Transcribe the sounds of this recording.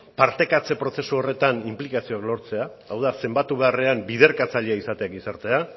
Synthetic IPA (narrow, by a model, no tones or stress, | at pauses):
paɾt̪e̞kat͡se̞pɾo̞se̞suo̞re̞t̪animplikasio̞aklo̞ɾt͡se̞aawðase̞mbat̪uβe̞are̞ambiðe̞ɾkat͡saʎeaisat̪e̞akɡisaɾt̪e̞a